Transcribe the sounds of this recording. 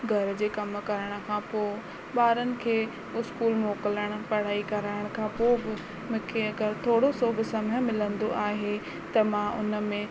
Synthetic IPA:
ɡʱɐɾ̆d͡ʑeːkɐm̆kɐɾəɽ̃ʊ̆kʰãːpoːɪ | ɓaːɾənɪ̆kʰeː | ʊskuːlmoːkɪləɽ̃̆pɐɽ̤aːikɐɾaːɪɽ̃kʰãːpoːbɪ | mʊ̃ːkʰeɐɡəɾt̪ʰoːɽosoːbʱɪsɐmə̃mɪlə̃nd̪oʔaːɦe | t̪ɐmãːʔʊ̰nə̆mẽ

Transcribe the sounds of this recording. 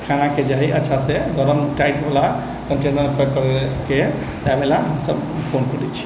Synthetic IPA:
kʰanaked͡ʒaɦiʔətːʃʰaseɡɔɾəmʈajʈbʱala | kəɳʈenəɾupəkəɾeke | d͡ʒabelaɦəmsəbpʰonkəɾɛt͡ʃʰi̥

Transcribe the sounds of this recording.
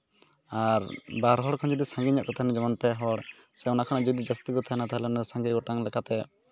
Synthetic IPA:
aɾbaɾɦɔɽkʰɔnd͡ʒɔd̪isãŋɡiɲɔʔkɔt̪ʰaɦɛnad͡ʒɔmɔnpɛɦɔɽ | sɛɔnakʰaɽ̃ad͡ʒd̪id͡ʒast̪iɡɔt̪ʰaɦɛnat̪aɦɛlɛɔnasãŋɡiɡɔʈaŋlɛkat̪ɛ

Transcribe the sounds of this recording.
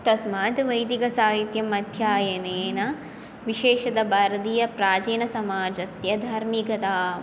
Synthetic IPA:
t̪ɐsmaːd͡ʒʋɐjd̪iɡɐsaːɦit̪jɐmɐd̪ʱjaːjɐneːnɐ | ʋiʃeːʃɐd̪ɐbaːɾɐd̪ijɐpɾaːd͡ʒeːnɐsɐmaːd͡ʒɐsjɐd̪ʱɐɾmikɐt̪aː

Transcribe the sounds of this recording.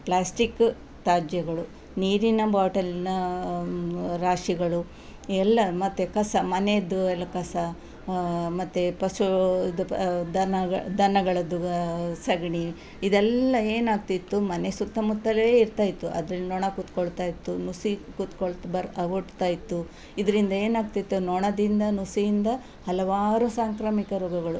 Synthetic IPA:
pɭaːsʈikː | t̪aːd͡ʒjɐɡɐɭu | niːɾinɐbaːʈɐlinɐ | ɾaːʂiɡɐɭu | ɛlːɐmɐt̪ːekɐsɐmɐned̪ːuɛlːɐkɐsɐ | mɐt̪ːepɐsud̪d̪ɐnɐɐd̪ɐnɐɡɐɭɐd̪usɐɡɳi | id̪ɛlːɐe̞ːnaːɡ̚t̪it̪ːumɐne̞sut̪ːɐmut̪ːɐleːiɾt̪aːjit̪ːuʔɐ̰d̪ɐɾɐlnɔɳɐkut̪koɭt̪aːjit̪ːunusikut̪koɭt̪bɐɾɐʋoʈt̪aːjit̪ːu | id̪ɐɾind̪ɐe̞ːnaːɡt̪it̪ːunɔɳɐd̪ind̪ɐnusijind̪ɐ | hɐlɐʋaːɾusaːŋkɾamikɐɾoːɡɐɡɐɭu

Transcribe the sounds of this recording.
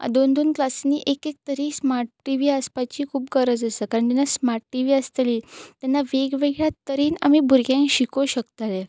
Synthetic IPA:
d̪ond̪onklasniʔekek̚t̪əɾiːsmaʈʈiʋiːəspat͡ɕiːkʰuːp̚kəɾəd͡zəsəkaɾəɳd͡ʑ̪ɛnːasmaɾʈʈiʋiːəst̪liːt̪janːaʋeɡʋeɡɭjat̪əɾiːna̰mibʱuɾɡjãŋkɕikoɕəkt̪ale

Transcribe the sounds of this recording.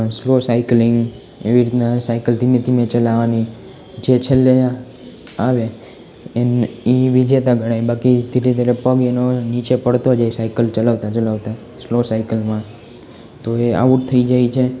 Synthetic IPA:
slosaiklɪŋɡ | eʋiɾit̪nasaikəlt̪imẽt̪ʰimẽt͡ʃəlaʋani | d͡ʒet͡ʃʰelːe | aʋe | eniʋid͡ʒet̪aɡʱəɽ̃ajbakit̪iɾit̪aɾepəɡenonit͡ʃepəɽt̪od͡ʒaisaikəlt͡ʃəlaʋt̪at͡ʃəlaʋt̪a | slosaikəlmã | t̪oea̰uʈt̪ʰəid͡ʒait͡ʃʰe

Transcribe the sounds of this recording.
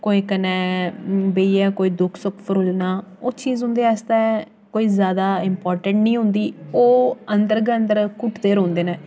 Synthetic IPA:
koːiːkənɛ̃ːbeiɛːkoːiːd̪ʊkʰsʊkʰpʰəɾuːlnaːoːt͡ʃiːzɦʊ̃nd̪eːɛːst̪aːɛ | koːiːzjaːd̪aːɪmpɔːɾʈə̃ɳʈnĩːɦʊ̃nd̪iːoːənd̪əɾɡːənd̪əɾkʊʈd̪eːɾõːnd̪eːnɛ̃ː

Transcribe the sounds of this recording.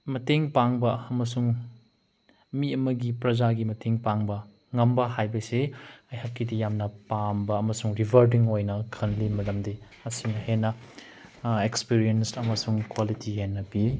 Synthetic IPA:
mɐteŋpaŋbɐɐmɐsuŋ | miɐmɐɡipɾɐzaɡimɐtʰeŋpaŋbɐ | ŋɐmbɐɦajbɐseɐjhakːidijamnɐpambɐːmɐsuŋɾibʱɐɾdiŋojnɐkʰɐnlimɐdɐmdi | ɐsiŋɐhenːɐ | ekspiɾijensɐmɐsuŋkwalitʰiɦenːɐpiɾ

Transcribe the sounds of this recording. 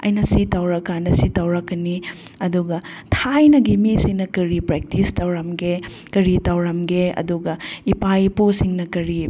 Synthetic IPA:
ɐ̰jnɐsitɐwɾɐkːanɐsitɐwɾɐkːɐni | ɐduɡɐ | tʰajnɐɡimisiŋnɐkɐɾipɾek̚tistɐwɾɐmɡe | kɐɾitawɾɐmɡeɐ̰duɡɐipajposiŋnɐkɐɾi

